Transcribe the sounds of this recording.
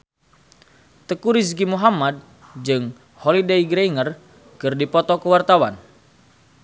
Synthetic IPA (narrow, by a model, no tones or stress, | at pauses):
t̪əkuɾis̬ɡimuɦamad̚ | d͡ʒɨŋ | holideiɡɾeŋər | kɨrdipɔt̪ɔkəwart̪awan